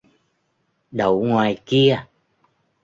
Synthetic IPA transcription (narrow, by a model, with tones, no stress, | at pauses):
ɗə˨˩wŋwaː˨˩jki˧ə